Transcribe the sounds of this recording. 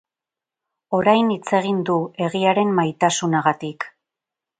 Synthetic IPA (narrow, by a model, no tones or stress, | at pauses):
o̞ɾajnit͡se̞ɣ̞ind̪ue̞ɣiaɾe̞mmajt̪asunaɣat̪ik